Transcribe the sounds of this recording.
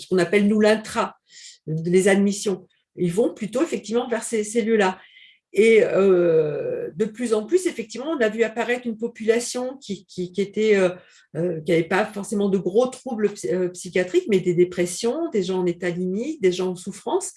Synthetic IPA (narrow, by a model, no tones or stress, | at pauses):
sə̥kɔ̃napɛlnulɛ̃t̪χa | lezad̪misjɔ̃ | ilvɔ̃plyt̪oefɛk̚t̪ivmɑ̃vɛʁseseljøla | eø | d̪əplyzɑ̃plysefɛk̚t̪ivmɑ̃ɔ̃navyapaʁɛt̪χynpɔpylasjɔ̃kʲikʲikʲiet̪ɛø | økʲiavɛpafɔʁsemɑ̃d̪əɡʁot̪χubləpøpsikʲjat̪χikmɛd̪ed̪epχɛsjɔ̃d̪eʒɑ̃ɑ̃net̪alimik̚d̪eʒɑ̃ɑ̃sufχɑ̃s